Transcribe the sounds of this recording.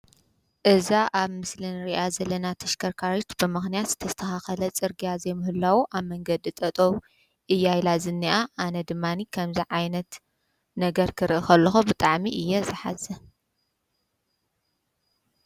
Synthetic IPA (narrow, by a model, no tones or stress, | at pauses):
ʔɨzaʔaβmɨslɨnɾiʔazɐlɐnat̪ʰɐʃkʰɐɾkʰaɾot̪bɨmɨxnijat̪z̥ɨt̪ʰɐst̪ʰɐxaxɐlɐt͡sʼɨɾɡijazejmɨhɨlːawuʔaβmɐŋɡɐd̪it̪ʼɐt̪ʼow | ʔɨjːajlazɨnːiʔaʔanɐd̪ɨmːanikʰɐmziʕajnɐt̪ | nɐɡɐɾkʰɨɾʔɨxɐlːɐxubɨt̪ʼaʕmiʔɨjːɛzɨħa̰zɐ